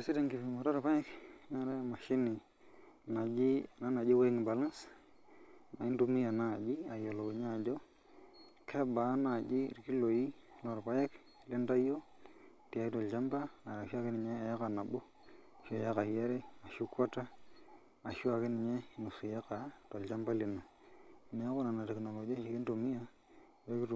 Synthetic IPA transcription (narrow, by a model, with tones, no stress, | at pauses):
a˨si˦de˦˨ŋki˨fi˨ma˨ɾa˦ɾpa˦jɛ˦kɲa˦ɾe˦˨ma˨ʃi˦ni˨ | na˨d͡ʒi˦na˦na˨d͡ʒi˦we˦ŋ˨ba˨la˦ns | a̰˨i˦ndu˦mi˦ja˨na˦˨d͡ʒi˦a˨jo˨lo˨ki˨ɲa˦˨d͡ʒo˦ | kʰe˦ba˨˦na˨d͡ʒḭ˦˨ɾki˦lo˨ji˦ | no˨ɾpa˦jɛ˦k | le˦nda˦jo˦ | ti˨a˨i˦tɔ˨lt͡ʃa˦mba˦a˨a˨ʃa˦kɪ˦nɪ˨ɲɛ˦a˨jka˨na˨bo˦ | ʃo˨ja˦ka˨jɛ˦ɾe˦a˨ʃu˦kwa˦ta˦ | a˨ʃu˦a˨kɪ˦nɪ˨ɲɛ˦˨nu˨su˨ja˦ka˨to˨lt͡ʃa˦mba˦le˨na˨ | me˨˦ko˦na˨na˨tɛ˨kno˨lo˨d͡ʒi˦a˦ʃi˨kɪ˦nto˨mi˦ja˦ | we˦kɪ˦t